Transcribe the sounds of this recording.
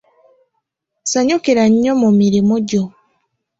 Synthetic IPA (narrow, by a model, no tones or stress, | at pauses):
saɲukiɾaɲːomumiɾimuɟo